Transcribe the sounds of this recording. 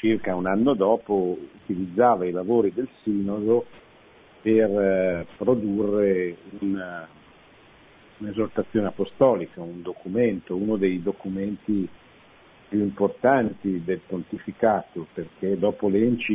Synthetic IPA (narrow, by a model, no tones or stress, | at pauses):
t͡ʃirkaunanːod̪ɔːpout̪ilid̪zːaːvailavoːɾid̪elsiːnod̪o | perpɾod̪urːeun | unezort̪at̪sːjoːneapost̪ɔːlikaund̪okument̪ounod̪ejd̪okument̪i | pjuimport̪ant̪id̪elpont̪ifikaːt̪operked̪ɔːpolent͡ʃi